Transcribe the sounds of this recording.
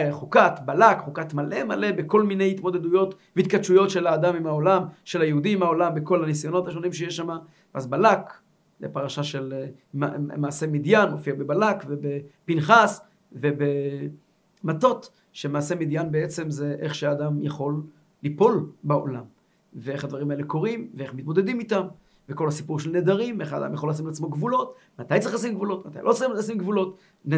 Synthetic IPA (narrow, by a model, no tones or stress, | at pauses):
χukat̪balakχukat̪male̞male̞beko̞lminejhit̪mo̞d̪ed̪ujo̞t̪veit̪kat̪ʃujo̞tʃelaːdamimao̞lamʃe̞lajeudimao̞lambeko̞lhanisajo̞no̞t̪aʃo̞nimʃejeʃama | vʔazbalak | lḛpaʁaʃaʃe̞l | mamaːse̞mid̪janofiabebalakve̞bepinχas | vebe | mato̞t | ʃemaːse̞mid̪janbeet͡se̞mzeʔeχʃead̪amjaχo̞lː | ipo̞lbeo̞̰lam | veeχad̪vaʁimaeleko̞ʁimveeχmit̪mo̞d̪e̞d̪imitam | veko̞lhasipuʁʃelned̪aʁimeχa̰d̪a̰mjaχolas̬imleat͡smo̞ɡvulo̞t̪ | mat̪ajtt͡sʁiχxlas̬imɡvulo̞t̪mat̪a̰jlʔo̞t͡siasimɡvulo̞t̪ | n